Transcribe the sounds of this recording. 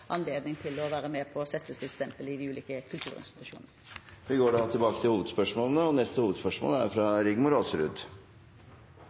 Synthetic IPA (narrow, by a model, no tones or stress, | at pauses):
ʔɑnleːd̪nɪŋt̪ʰɪlɔʋæːɾəmeːpʰɔːsɛt̪ːəsɪst̪ɛmpəlɪd̪ɪʉːlḭːkəkʰʉlt̪ʰʉ̰ːɾɪ̰nst̪ɪt̪ʉʂṵːnnəʋɪɡoːɖɑt̪ʰɪlbɑːkət̪ʰɪlhuːʋəd̪spœʂmoːlənəɔnɛst̪əhuːʋəd̪spœʂmo̰ːləæ̰ɾfɾɑɾɪɡmʊɾoːsəɾʉd̪